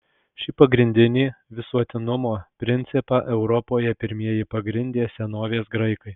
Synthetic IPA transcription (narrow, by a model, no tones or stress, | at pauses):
ʃʲɪpɐɡɾʲɪnʲd̪ʲɪnʲiːʋʲɪsuɔt̪ʲɪnʊmoːpʲɾʲɪnʲt̪sʲɪpɑʔɛʊɾɔpoːjɛpʲɪɾʲmʲiɛjɪpɐɡɾʲɪnʲd̪ʲeːsʲɛnoːʋʲeːsɡɾɐɪkɐɪ